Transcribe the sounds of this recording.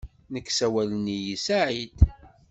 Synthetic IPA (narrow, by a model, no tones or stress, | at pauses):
nəkːsæwælənijisaʕid̪